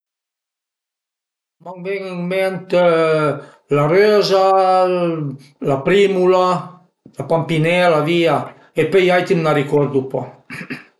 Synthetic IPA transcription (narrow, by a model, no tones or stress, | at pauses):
maŋbɛŋəŋmɛnt̪ | larøza | lapɾimula | lapampinɛlavia | epejajt̪imnarikɔɾd̪upɔ